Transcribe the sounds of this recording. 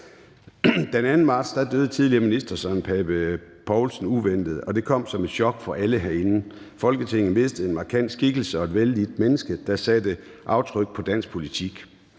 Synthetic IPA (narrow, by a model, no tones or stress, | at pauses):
d̥enænn̩mɑ̈ːd̥sd̥ɑ̈d̥øð̞ˠət͡sʰið̞ˠliɐminisd̥ɐsɒnpʰɛb̥əpʰɒʊlsn̩uʋen̰d̥ð̞̩ˠɒ̽d̥e̝kʰɒ̽m̰sɒ̽me̝d̥ɕɒ̽ɡ̥fɒ̽ʔæləɦæɐe̝nn̩ | fɒ̽lɡ̥ət͡sʰe̝ŋ̰n̩mʋe̝sd̥ð̩e̝nmɑ̈kʰæn̰d̥sɡ̥iɡ̥l̩səɒ̽e̝d̥ʋeld̥id̥̚menəsɡ̥əd̥ɑ̈sæd̥ə | ʔɑ̈ʊt͡sʰʁœɡ̥̚pʰɒ̽d̥æn̰s̚pʰo̝lit͡sʰiɡ̥